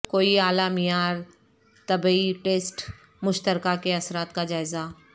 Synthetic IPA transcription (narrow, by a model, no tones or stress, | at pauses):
koːiaːlaːmijaːɾ | t̪ɐbiʈeːsʈ | mʊʃt̪əɾkakeɐsɾaːt̪kad͡ʒaːɪza